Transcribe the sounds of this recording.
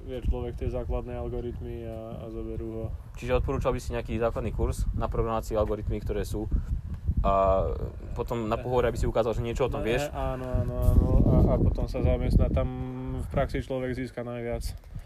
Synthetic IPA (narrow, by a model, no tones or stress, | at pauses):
jɛt͡ʃlɔʋɛkt̪ɪɛzaːklad̪nɛːalɡɔɾit̪mia̰ːzɔbɛɾuːɦɔ | t͡ʃiʒɛɔt̪̚pɔɾuːt͡ʃalbisiɲɛakiːzaːklad̪niːkuɾsnapɾɔɡɾamaːt͡siɛalɡɔɾit̪mikt̪ɔɾɛːsuː | ʔa | pɔt̪ɔmnapɔɦɔʋɔɾɛabisiukaːzalʒɛɲɪɛt͡ʃɔɔt̪ɔmʋɪɛʃaːnɔaːnɔaːnɔaapɔt̪ɔmsazamɛst̪nat̪amfpɾaksit͡ʃlɔʋɛɡziːskanajʋɪat͡s